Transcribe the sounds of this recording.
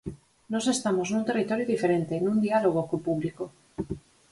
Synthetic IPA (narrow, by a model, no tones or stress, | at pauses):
no̞se̞st̪amo̞snũnt̪e̞rit̪o̞ɾjoðifeɾe̞nt̪e̞nũnd̪ialoɣ̞okopuβliko